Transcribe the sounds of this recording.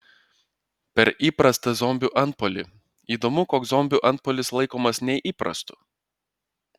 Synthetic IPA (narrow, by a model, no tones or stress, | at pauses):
pʲɛɾʔiːpɾɐst̪ɐzɔmʲbʲuːʔɐnt̪̚poːlʲɪ | iːd̪oːmʊkoːkzzɔmʲbʲuːʔɐnt̪̚pɔːlʲɪslˠɐɪkoːmɐsnʲɛɪʔiːpɾɐ̰st̪ʊ̥